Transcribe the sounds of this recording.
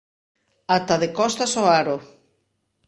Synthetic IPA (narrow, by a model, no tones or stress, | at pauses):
at̪aðekɔst̪asoaɾo